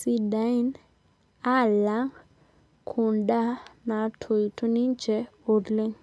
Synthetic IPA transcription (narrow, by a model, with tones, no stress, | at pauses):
si˧da˨˦i˦n | a˦˨la˦ŋ | kʰʊ˨nda˦na˨tʰo˨jtʰo˦ni˦nd͡ʒɛ˦o˨dlɪ˦ŋ